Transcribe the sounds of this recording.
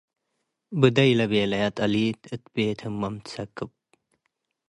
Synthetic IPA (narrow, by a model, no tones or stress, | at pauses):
bɨd̪ɐjlɐbeːlɐjɐt̪ɐliːt̪ɨt̪̚beːt̪ʰɨmɐmt͡sʰɐkəp̚